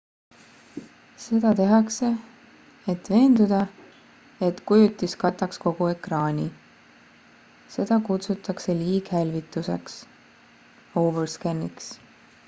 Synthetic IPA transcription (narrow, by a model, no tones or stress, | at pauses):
se̞d̪̥ɑt̪e̞ɦɑkse̞ | et̪ve̞ːnd̪ud̪̥ɑ | e̞t̪kujut̪ːiskɑt̪ːˑɑksko̞ɡ̥ue̞krɑːnʲi | se̞d̪̥ɑkut̪sut̪ːˑɑkse̞liːɡ̥hælʲvit̪ːˑuse̞ks | o̞ːverskænːiks